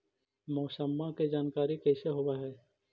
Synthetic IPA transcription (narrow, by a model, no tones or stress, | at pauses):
mɔːsəmːaked͡ʒaːnkaːɾikɛːseɦowaɦɛː